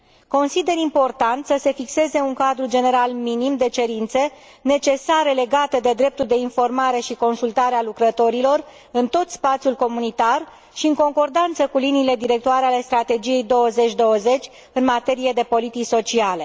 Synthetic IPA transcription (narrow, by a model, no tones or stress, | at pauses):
ko̞nsid̪e̞ɾimpo̞rt̪ant̪səse̞fikse̞ze̞uŋkad̪ɾud͡ʒe̞ne̞ɾalminimd̪e̞t͡ʃe̞ɾint̪se | ne̞t͡ʃe̞saɾe̞le̞ɡat̪e̞d̪e̞d̪ɾe̞p̚t̪uld̪e̞info̞rmaɾe̞ʃiko̞nsult̪aɾealukɾət̪o̞ɾilo̞r | ɨnt̪o̞t̪spat̪sijulko̞munit̪ar | ʃiɨŋko̞ŋko̞rd̪ant̪səkuliniːle̞d̪iɾe̞k̚t̪oaɾeale̞st̪ɾat̪e̞d͡ʒije̞jd̪o̞wəze̞t͡ʃʲd̪o̞wəze̞t͡ʃʲ | ɨnmat̪e̞ɾije̞d̪e̞po̞lit̪it͡ʃso̞t͡ʃiale̞